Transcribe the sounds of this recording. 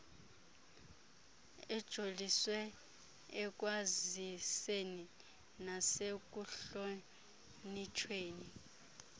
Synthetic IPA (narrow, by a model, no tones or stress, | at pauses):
ɛd̥ʒ̥ʱoliswɛ | ɛk̬ʼwaziseni | nasek̬uɬo | nit͡ʃʰweːni